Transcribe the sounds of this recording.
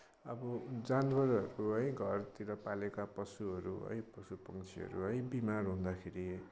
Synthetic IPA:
ʌ̰bʌd͡zanbʱʌɾʌɾuɦʌjɡʱʌrt̪iɾʌpalekapʌsuɦʌɾuɦʌ̰jpʌsupʌŋt͡sʰiɦʌ̰ɾuɦʌj̃bimarɦũnd̪akʰeɾi

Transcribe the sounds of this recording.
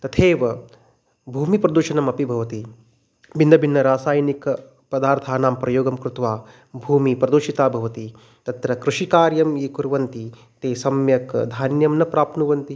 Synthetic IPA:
t̪ɐt̪ʰeːʋɐ | bʱuːmipɾɐd̪uʃɐnɐmɐpibʱɐʋɐt̪i | bind̪ɐbʱinːɐɾaːsaːjnikɐ | pɐd̪aːɾt̪ʰaːnaːmpɾɐjoːɡɐmkɾut̪ʋaː | bʱuːmipɾɐd̪uʃit̪aːbʱɐʋɐt̪i | t̪ɐt̪ɾɐkɾuʃikaːɾjɐmiːkuɾʋɐnt̪i | t̪eːsɐmjɐkd̪ʱaːnjɐmnɐpɾaːpnuʋɐnt̪i

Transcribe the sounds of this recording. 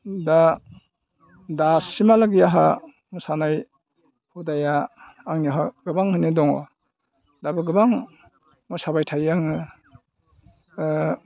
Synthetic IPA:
da | dasimalaɡijaɦa | mɔsanaj | pʰudajaː | ŋniɦaɡ̥ɯbaŋhɯnidɔŋɔ̰ | dabɯɡɯbaŋ | mɔsabajtʰajaŋɯ

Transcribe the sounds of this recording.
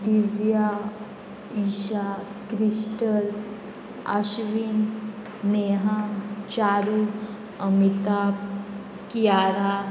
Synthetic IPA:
d̪iʋja | iɕakɾisʈəl | a̰ɕʋinː | eɦãt͡ɕaɾi | əmit̪ap̚ | kijaɾa

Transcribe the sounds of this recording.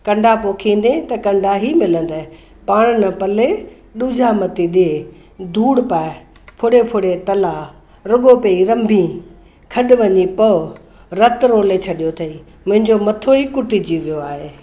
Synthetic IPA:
kɐ̃ɳɖʱapoːkʰĩːn̆d̪ẽt̪ɐkɐ̃ɳɖʱaɦimɪlə̃nd̪aːẽ | paːɽ̃nɐpɐle | ɗuːd͡ʑʱamɐt̪iɗie | d̪ʱuːɽpaːepʰʊɽepʰʊɽet̪ɐla | ɾʊɠopɐiɾɐ̃mbʱĩ | kʰɐɗʊ̆ʋɐɲipɐ | ɾɐt̪ɾoːlet͡ɕʰɐɗijot̪ʰɐiː | mʊ̃ɦɪ̃ɲd͡ʑomɐt̪ʰoikʊʈid͡ʑiʋijoaːɦeː

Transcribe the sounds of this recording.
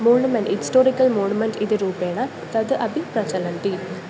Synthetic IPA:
moːnumɐnɖhisʈoːɾikːɐlmoːnumɐnʈiðɨɾuːpeːɳɐ | t̪ɐd̪ɨʔɐbʱiprɐt͡ɕɐlɐnʈi

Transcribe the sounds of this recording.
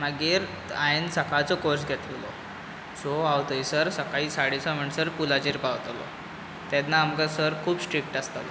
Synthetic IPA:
maɡiːɾ | ainsəkat͡sɔkoɾsɡʱɛt̪lilɔ̰ | soawt̪əisəɾsəkaɦiːsaɽit͡sam̤əɳsəɾpulat͡ɕiɾpawt̪alɔ̰ | t̪anːaːmɡasəɾkʰuːbsʈɾik̚ʈast̪a̰l

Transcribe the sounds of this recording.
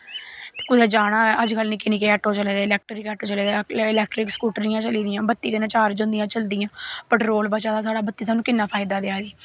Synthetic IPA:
t̪e̥ːkʊd̪ɛːd͡ʒaːɽ̃aːɛːʔəd͡ʒkəlnĩːkɪniːkeɛːʈoːt͡ʃəleːd̪eːlɛːk̚ʈɾɪkɛːʈoːt͡ʃəleːd̪eːɪlɛːkʈɾɪkskuːʈɾijãːt͡ʃəliːd̪ɪjãːbət̪ːiːkənãːt͡ʃaːɾd͡ʒʊ̃nd̪ɪjãːt͡ʃəld̪ɪjãːpəʈɾoːlbət͡ʃaːd̪aːs̬aːɽaːbət̪ːiːsaːnũːkɪnːãːpʰaːɪd̪aːd̪ɪaːd̪iː

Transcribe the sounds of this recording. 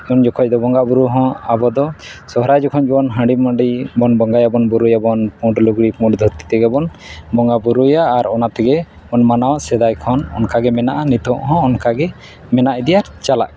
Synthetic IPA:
und͡ʒɔkʰɔc̚d̪ɔbɔŋɡaʔbuɾuɦɔ̃abɔd̪ɔsɔɦɾajd͡ʒɔkʰɔnd͡ʒbɔnɦə̃ɳɖimə̃ɳɖibɔnbɔŋɡajabɔnbuɾujabɔnpũɖluɡɽipũɖd̪ʱɔt̪i̥t̪ɛɡɛbɔnbɔŋɡabuɾujaːɾɔnat̪ɛɡɛ | ɔnmanawsɛd̪ajkʰɔnɔ̰nkaɡɛmɛnaʔanit̪ɔʔɦɔ̃ːnkaɡɛ | mɛnaʔɛd̪ɛjaɾt͡ʃala̰ʔ̚

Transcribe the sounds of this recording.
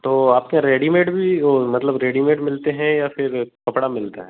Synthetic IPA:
t̪oːaːp̚kaɾeːɖimeːʈbʱiomɐt̪ləbɾeːɖimeːʈmɪlt̪eɦɛ̃jafʰɪɾkɐpɽamɪlt̪aɦɛ̃ː

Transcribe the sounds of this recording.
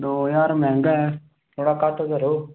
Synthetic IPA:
d̪oːjaːɾmɛ̃ːŋɡɛ | t̪ʰoːɽaːkaʈʰkəɾoː

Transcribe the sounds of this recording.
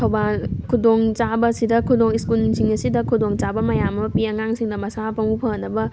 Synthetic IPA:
tʰɐwbankʰudoŋt͡ʃabɐsidɐkʰudoŋiskulsiŋɐsidɐkʰudoŋt͡ʃabɐmɐjamɐpiɐŋaŋsiŋdɐmɐsapɐŋupʰɐnːɐbɐ

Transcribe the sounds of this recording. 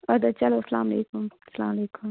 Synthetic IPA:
ɐd̪at͡ʃɐlosɐlaːmɐlḛːkʊmsɐla̰ːmleːkʊm

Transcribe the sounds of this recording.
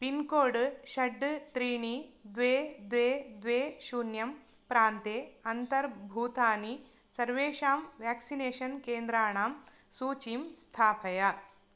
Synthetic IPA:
pinkoːɖʃɐɖːt̪ɾiːɳid̪ʋeːd̪ʋeːd̪ʋeːʃuːnjɐm | pɾaːnt̪eːɐnt̪ɐɾbʱuːt̪aːni | sɐɾʋeːʃaːmʋjaːksineːʃɐnkeːnd̪ɾaːɳaːm | suːt͡ʃiːmst̪ʰaːpʰɐja

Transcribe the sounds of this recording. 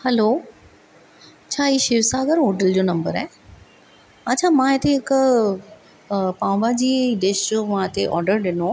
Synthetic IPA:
hɛloː | t͡ɕʰaːɦiːʃɪʋsaːɡəɾɦoːʈəld͡ʑoːnɐ̃mbəɾaɦe | ɐt͡ɕʰamãːɦet̪ʰeɦɪk | pãːʊbad͡ʑiːd̪eːʃd͡ʑoːʋãt̪eʔɔ̰ːɾɖəɾɗɪno

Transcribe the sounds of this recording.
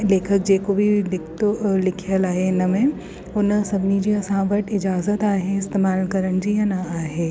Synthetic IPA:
leːkʰək̚d͡ʒeːkobʱidɪkt̪olɪkʰjəlaːenɐmẽ | ʊnəsɐbnid͡ʒiɐsãːʋəʈɪd͡ʒaːzət̪aːɦeɪst̪eːmaːlkɐɾənd͡ʒijɐnɐaːɦeː

